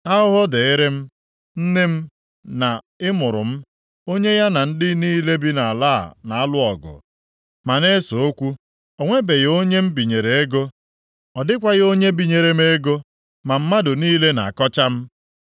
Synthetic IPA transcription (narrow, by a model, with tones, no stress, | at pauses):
a˦ʊ˦ɦɔ˦de˨ɪ˦ɾe˦m̩˦ | n̩˦nɪ˦m̩˦ | na˨ | ɪ˦mʊ˨ɾʊ̰˨m̩˦ | o˦ɲe˦ja˦na˨n̩˦dɪ˦niː˦le˦bi˦na˨a˨la̰ː˦˨na˨a˦lʊ˦ɔ˨ɡʊ̰˨ | ma˨ne˦so˨o˦kʷu˦ | o˨ŋʷe˦be˨ɣo˦ɲe˦m̩˦bi˨ɲe˨ɾe˨e˦ɡo˦ | ɔ˨dɪ˦kʷa˦ɣo˦ɲe˦bi˨ɲe˨ɾe˨me˦ɡo˦ | ma˨m̩˦ma˦dʊ˨niː˦le˦na̰˨a˨kɔ˦t͡ʃa˦m̩˦